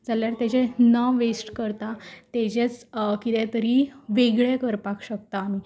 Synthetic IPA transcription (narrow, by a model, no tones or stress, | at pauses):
d͡zaljaɾt̪at͡ɕenaʋesʈkəɾt̪at̪ed͡ʑet͡skit̪ẽt̪əɾiʋeɡɭekəɾpakɕək̚t̪aːmiː